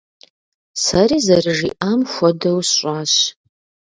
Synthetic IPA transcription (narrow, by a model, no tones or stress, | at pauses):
sɐriːzɐrɨʒiːʔaːmxʷɔdɐwsɕʷʼaːɕ